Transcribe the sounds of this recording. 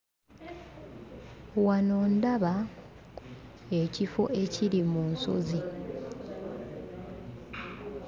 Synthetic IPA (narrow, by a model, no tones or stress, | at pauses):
wanoːndaβa | e̞cifo̞ʔe̞ciɾimunso̞̰zi